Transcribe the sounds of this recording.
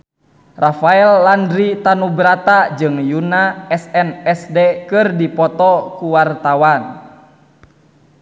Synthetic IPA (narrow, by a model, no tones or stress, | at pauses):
rafaɛlːandɾit̪anubɾat̪ad͡ʒɨŋjunaɛsɛnɛsdɛkɨrdipɔt̪ɔkuwart̪awan